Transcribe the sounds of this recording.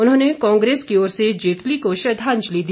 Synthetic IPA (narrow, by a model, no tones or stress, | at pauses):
ʊnɦõːnekãːŋɡɾeːskioːɾsed͡ʒeːʈlikoʃɾɐd̪ʱaːɲd͡ʒlid̪i